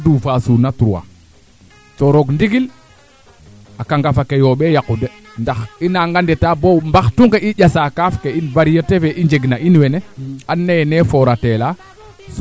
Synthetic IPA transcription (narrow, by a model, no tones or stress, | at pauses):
duːfasunatuɾuwa̰ | toɾoɡndiɡil | akaŋɡafakejoɓejakude | ndaxinaŋɡandetabowmbaxtuŋkeʔiɟasakafkeinvaɾijətefeʔiɲd͡ʒeɡnaʔinweneanːenefoɾatela | s